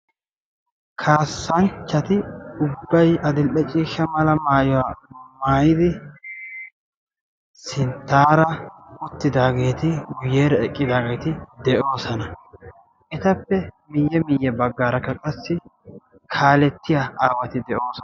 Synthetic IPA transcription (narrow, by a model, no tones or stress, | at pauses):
kʰaːsːɐnt͡ʃːɐt̪ɪʊbːɐjɐd̪ɪlʔɛt͡ʃʼiːʃːɐmɐlɐmaːjʊwamaːjɪd̪ɪ | sɪnt̪ːaːɾɐʊt̪ːɪd̪aːɡe̞ːt̪ɪɡʊjeːɾɐɛkʼːɪd̪aːɡe̞ːt̪ɪd̪ɛʔo̞ːsɐnɐ | ɛt̪ɐpːɛ | mɪjːɛmɪjːɛbɐɡːaːɾɐkːɐkʼɐsːɪ | kʰaːlɛt̪ːɪjaaːwɐt̪ɪd̪ɛʔo̞ːs